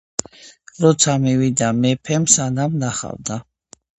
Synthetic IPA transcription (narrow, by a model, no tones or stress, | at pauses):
ɾɔt̪sʰamivid̪amɛpʰɛmsanamnaχa̰vd̪a